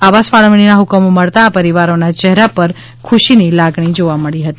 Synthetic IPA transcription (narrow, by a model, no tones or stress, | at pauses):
aʋasfaɭəmɳ̃inaɦʊkəmoməɭt̪aːpəɾiʋaɾonat͡ʃɛɦɾapəɾ | kʰuʃinilaɡɳ̃id͡ʒoʋaməɭiɦət̪i